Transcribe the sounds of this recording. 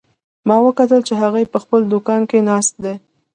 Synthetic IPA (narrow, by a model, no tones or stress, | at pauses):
mɑwəkat̪əlt͡ʃeɦaɣajpəxpəld̪ʊkɑnkenɑst̪̚d̪e